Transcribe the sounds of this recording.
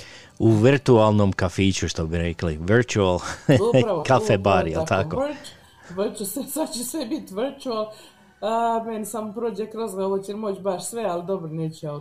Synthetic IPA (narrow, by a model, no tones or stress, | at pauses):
uʋiɾt̪ualˠnomkafiːt͡ɕuʃt̪obiɾekliʋiɾt͡ʃualɾkafebaɾjḛlt̪ako | ʋrt͡ʃɛsesad̪t͡ɕesebit̪ʲʋrt͡ʃual | menisamopɾoːd͡ʑekɾazɡaoʋot͡ɕɛmot͡ɕbaʃsʋeald̪obɾoneːt͡ɕo